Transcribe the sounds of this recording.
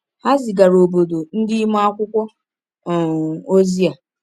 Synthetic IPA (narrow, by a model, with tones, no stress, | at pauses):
ha˦zɪ˨ɡa˨ɾo˨bo˨do˨n̩˦dɪ˦mu˦a˦kʷʊ˦kʷɔ˦˨ | o˦zi˦a˨